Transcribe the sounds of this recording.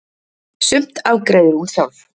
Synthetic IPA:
sʏm̥t̪awkɾejðʏɾ̥hunsjawv

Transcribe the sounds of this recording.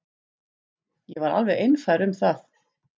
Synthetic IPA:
jɛvaɾa̰lvɛɣejnfajɾʏmθaθ

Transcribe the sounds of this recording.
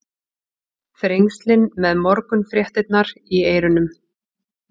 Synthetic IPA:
fɾejŋst̪lɪnmɛðmɔɾkʏnfɾjɛht̪ɪt̪naɾieːjɾʏnʏm

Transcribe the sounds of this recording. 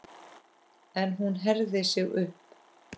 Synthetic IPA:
ɛnɦunɦɛɾðɪsɪɣʏhp

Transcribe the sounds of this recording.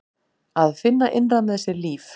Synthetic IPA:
aðfɪnːaʔɪnramðɛsːɛɾliːf

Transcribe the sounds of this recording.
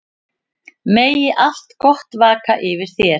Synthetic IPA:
meːjɪʔal̥t̪kɔht̪vaːkaʔɪvɪɾ̥θjɛɾ

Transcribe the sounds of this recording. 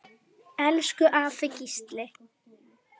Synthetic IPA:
ɛlskʏʔaːfɪcist̪lɪ

